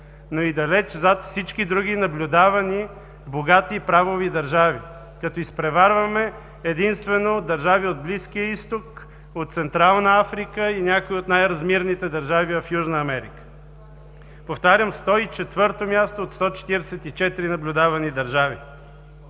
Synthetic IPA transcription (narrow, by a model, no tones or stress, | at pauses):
noid̪ɐlɛt͡ʃzat̪fsit͡ʃkid̪ɾuɡ̟inɐblʲʊd̪avɐni | boɡat̪iːpɾavovid̪ɐɾʒavi | kɐt̪ɔispɾɛvaɾvəmɛ | ɛd̪inst̪vɛnod̪ɐɾʒaviod̪̚bliskijəist̪ok | ot̪t̪sɛnt̪ɾalˠnəafɾikəinʲakoiot̪najɾɐzmiɾnit̪ɛd̪ɐɾʒavivɐfjuʒnəːmɛɾḭkə̥ | poft̪aɾʲəmst̪ɔit͡ʃɛt̪vɤɾt̪omʲjast̪oot̪st̪ɔt͡ʃɛ̥t̪iɾɛsɛt̪it͡ʃɛt̪iɾinɐblʲʊd̪avɐnid̪ɐɾʒavḭ